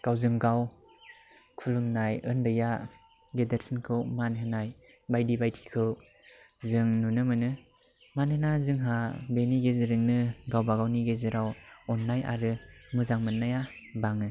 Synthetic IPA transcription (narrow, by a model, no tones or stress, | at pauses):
ɡ̥awzɯŋɡaw | kʰulumnajɯndɯja | ɡedeɾsinkʰɯwmanɦɯnaj | bajdibajtʰi̥kʰɯw | zɯŋnunɯmɯnɯ | manhɯnazɯŋɦabeniɡezɯɾɯŋnɯɡawbaɡawniɡezɯɾawɔnːaja̰ɾɯmɯzaŋmɯnːajabaŋɯ